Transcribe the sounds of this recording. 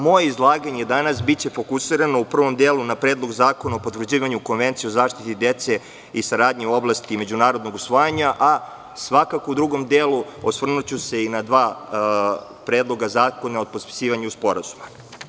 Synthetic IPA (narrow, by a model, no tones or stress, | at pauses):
mo̞jeizlˠaːɡaɲed̪anasbit͡ɕe̞fokusiɾanoupr̩ʋo̞md̪eːlunapɾe̞ːd̪lˠo̞ɡzaːkonaopo̞t̪vr̩d͡ʑiːʋaɲuko̞nʋe̞nt̪siozaːʃt̪it̪id̪et̪se̞ | isaɾaːd̪ɲiuo̞blˠast̪ime̞d͡ʑunaːɾo̞d̪noɡusʋojaɲaʔa | sʋakakoud̪ɾuɡo̞md̪eːlˠuosʋr̩nut͡ɕuse̞inad̪ʋaː | pɾeːd̪lˠo̞ɡazaːko̞nao̞d̪̚pot̪pi̥siːʋaɲeuspo̞ɾazuma